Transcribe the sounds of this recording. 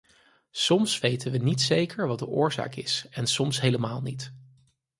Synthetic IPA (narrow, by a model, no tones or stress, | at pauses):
sɔmsʋejtənʋənitsejkəɹʋɑd̚əʔʊːɹza̰ːkɪ̰sɛnsɔmsɦejləmaːlˠnit